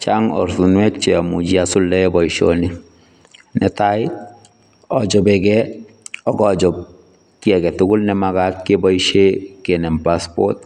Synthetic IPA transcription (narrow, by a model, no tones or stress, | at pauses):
t͡ʃaŋɔ̰ɾθunwɛt̚t͡ʃɛamud͡ʒiasʊlːɛbɔiʃo̰ni | nɛtajɪ | ɔd͡ʒɔbɛkɛ | ɔkɔd͡ʒɔp̚ | kiɛkɛtʊɡʊlnɛmakat̚kebɔiʃekenɛmpaspɔt̚